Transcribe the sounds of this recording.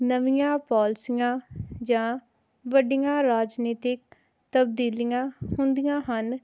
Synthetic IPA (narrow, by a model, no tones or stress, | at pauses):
nəʋɪjãːpɔːlsɪjãːd͡ʒãː | ʋəɖɪjãːɾaːd͡ʒniːt̪ɪk̚ | t̪əb̚d̪iːlijãːhʊnd̪ijãːɦən